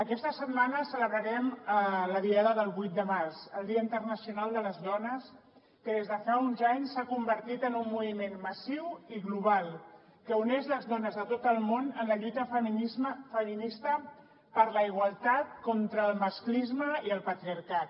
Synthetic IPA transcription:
əkɛst̪əsət̪̚manəsələβɾəɾɛmələðiaðəðəlˠβujt̪̚d̪əmarsəlˠd̪iəint̪ərnəsiunalˠd̪ələzðɔnəs | kəðezðəfaunzaɲsːakumbəɾt̪it̪ənumːuβimenməsiwiɣluβ̞alˠ | kəunezləzðɔnəzðət̪ot̪əlˠmonənləʎut̪ə | fəminist̪ə | pəɾləiɣ̞wəlˠt̪at̪̚kɔnt̪ɾəːlˠməsklizməiəlˠpət̪ɾiəɾkat̪̚

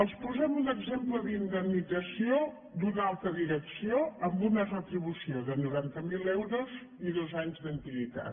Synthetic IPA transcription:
əlˠspuzɛmunəɡzempləðind̪əmnidd͡zəsio | d̪unalˠt̪ɾəðiɾəksioəmbunərət̪ɾiβ̞usioðənuɾant̪əmilˠɛwɾuz | iðozaɲzd̪ənt̪iβit̪a̰t̪

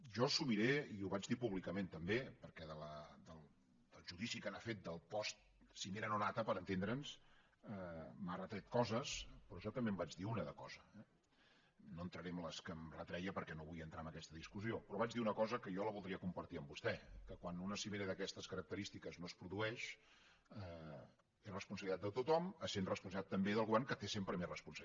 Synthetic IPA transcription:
ʒɔsumiɾeiuβad͡ʒðipuβlikəment̪əmbepəɾkɛðələd̪əlˠ | d̪̥əlˠʒuðisikənafet̪̚d̪əlˠpɔst̪̚ | sineɾənonat̪əpəɾənt̪end̪ɾəns | əmarət̪ɾɛt̪̚kɔzəspɾɔʒɔt̪əmbembad͡ʒðiunəðəkɔzəɛ | noənt̪ɾəɾɛmləskəmrət̪ɾɛjəpəɾkɛnoβujənt̪ɾambəkɛst̪əðiskuziopɾɔβad͡ʒðiunəkɔzəkəjɔləβlˠd̪ɾiəkumpəɾt̪iəmbust̪ɛkəkwanunəsimeɾəðəkɛst̪əskəɾək̚t̪əɾist̪ikəznospɾuðuɛʃ | ə | erəspunsəβlit̪at̪d̪ət̪ut̪ɔməsenrəspuns̬iat̪ːəmbeðəlˠɣuβɛrŋkət̪esempɾəmerəspunsə

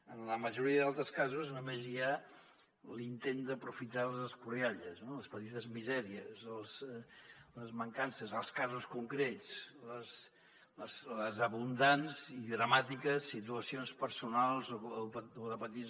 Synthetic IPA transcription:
ənləməʒuɾiəðalˠt̪ɾəskazuznumezia | lint̪end̪əpɾufit̪alˠzəskuɾjaʎəznoləspət̪it̪əzmizɛɾiəzəlˠz | ləzməŋkansəzəlˠskazuskuŋkɾet͡sləs | əsləzəβund̪anziðɾəmat̪ikəsːit̪uəsionspəɾsunalˠzopoðəpət̪i

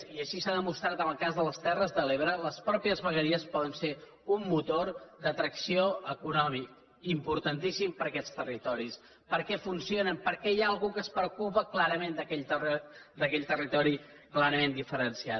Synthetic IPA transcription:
iəʃisaðəmust̪ɾat̪ənəlˠkazðələst̪ɛrəzðəleβɾələspɾɔpiəzβəɣəɾiəspɔðənse | umːut̪oɾd̪ət̪ɾəksioəkunɔmik | impuɾt̪ənt̪isimpəɾəkɛst̪ərit̪ɔɾis | pəɾkɛfunsionəmpəɾkɛjaəlˠɣukəspɾəukupəklaɾəmend̪əkɛʎt̪əd̪əkɛʎt̪ərit̪ɔɾi | klaɾəmend̪ifəɾənsiat̪

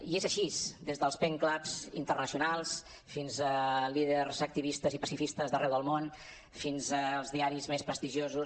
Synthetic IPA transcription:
iezəʃisd̪ezðəlˠspɛŋklapz̥ḭnt̪ərnəsiunalˠs | finzəliðerzək̚t̪iβ̞ist̪əzipəsifist̪əzðərɛwðəlˠmon | finzəːlˠzðiaɾizmespɾəst̪iʒiozu

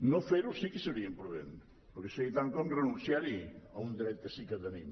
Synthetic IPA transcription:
nõfeɾʊsikɪseβɾiempɾuβen | poɾkesejt̪aŋkɔmrenũnθjaɾiɐund̪iɾɛt̪esikaðɐnim

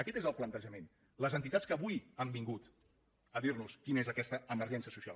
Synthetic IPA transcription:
əkɛt̪ezəlˠplənt̪əʒəmen | ləzənt̪it̪atskəːβujambiŋɡut̪ | əðiɾnuskinəezəkɛst̪əəməɾʒɛnsiəsusia̰lˠ

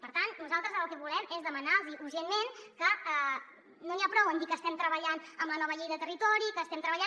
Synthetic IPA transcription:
pəɾt̪annuzalˠt̪ɾəzəlˠkɛβulɛmezðəmənalziʔuɾʒenːenkəɛ | noniapɾɔwənd̪ikəːst̪ɛmt̪ɾəβəʎanəmlənɔβəʎejðət̪ərit̪ɔɾikəːst̪ɛmt̪ɾəβ̞əʎan

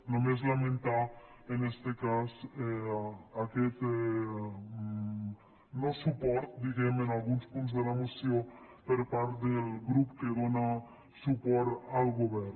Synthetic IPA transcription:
nõmes̬lamẽnt̪a | enest̪ekaseaket̪e | nosupoɾt̪d̪iɣemenalɣunspũnt̪s̬d̪elamosjopeɾpaɾt̪d̪elɡɾupkeɣona | supoɾalɡoβeɾ

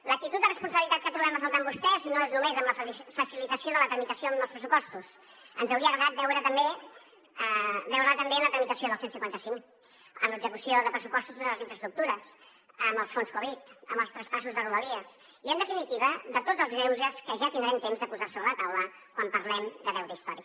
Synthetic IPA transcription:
lək̚t̪it̪ut̪d̪ərəspunsəβlit̪at̪̚kət̪ɾuβɛməfəlˠt̪aəmbust̪ɛznoeznumezəmləfəsilit̪əsioðələt̪ɾəmit̪əsioəmbəlˠspɾəsupɔst̪us | ənzəwɾiəɣəβat̪̚bɛwɾət̪əmbe | əbɛwɾət̪əmbemlət̪ɾəmit̪əsioðəlˠsensiŋkwant̪əsiŋ | ə̰mləɡzəkusioðəpɾəsupɔst̪uziðələziɱfɾəst̪ɾuk̚t̪uɾəs | əmbəlˠsfonskɔβ̞it̪əmbəlˠst̪ɾəspasuzðəruəliəs | iənd̪əfinit̪iβ̞əðət̪odd͡zəlˠzɣɾɛwzəskəʒat̪ind̪ɾɛmt̪emzðəpuzasoβɾələt̪awlə | kwampəɾlɛmd̪əβɛwɾəist̪ɔ̰ɾi

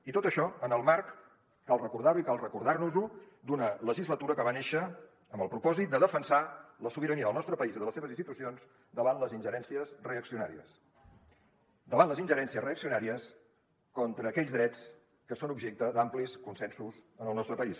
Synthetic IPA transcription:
it̪ot̪əʃɔənəlˠmaɾkː | alˠrəkuɾðaɾuikalˠrəkuɾðarnuzu | d̪unələʒizlət̪uɾəkəβaneʃə | əmbəlˠpɾupɔzit̪̚d̪əðəfənsaləsuβiɾəniəðəlˠnɔst̪ɾəpəiziðələseβəzinst̪it̪usionz | d̪əβanləzinʲʒəɾɛnsiəsreəksiuna̰ɾiə̰s | d̪əβanləzinʲʒəɾɛnsiəzreəksiunaɾiəs | kɔnt̪ɾəːkɛʎzðɾɛt͡s | kəsonubʒɛk̚t̪əd̪ampliskunsɛnsuzənəlˠnɔst̪ɾəpəis

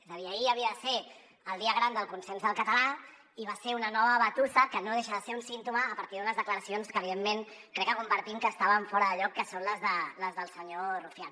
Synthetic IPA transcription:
ezəðiəiəβiəðəse | əlˠd̪iəɣ̞ɾand̪əlˠkunsenzðəlˠkət̪əla | iβaseɾunənɔβəβət̪usəkənoðeʃəðəseɾunsint̪uməːpɐɾt̪iðunəzðəkləɾəsionskəːβ̞iðemːen | kɾɛkːəkumbəɾt̪imkəːst̪aβəɱfɔɾəðəʎɔkːəsonləzðələzðəlˠsəɲorufjan

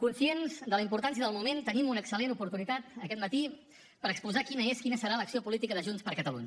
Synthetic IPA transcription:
kunsienzd̪ələimpuɾt̪ans̬jəðəlˠmument̪ənimunəksəlenupuɾt̪unit̪at̪əkɛt̪mət̪i | pəɾəkspuzakinəeskinəsəɾaləksiopulit̪ikəðəʒunspəɾkət̪əlṵɲə

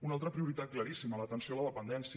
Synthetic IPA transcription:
unalˠt̪ɾəpɾiuɾit̪at̪̚kləɾisimələt̪ənsioləðəpənd̪ɛnsi

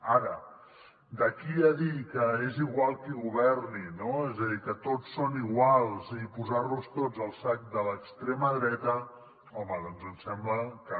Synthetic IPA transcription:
aɾə | d̪əkiaðikəeziɣwalˠkiɣuβ̞ɛrninoezəðikət̪ot͡sːoniɣwalˠzipuzarnust̪od͡zəlˠsak̚d̪ələkst̪ɾeməðɾɛt̪ə | ɔməðɔnzənsɛmbləkə

